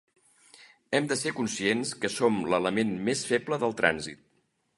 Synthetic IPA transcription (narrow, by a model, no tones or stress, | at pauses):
ɛmd̪əsekunsienskəsomlələmenmesfɛpləðəlˠt̪ɾʔa̰nzḭt̪̚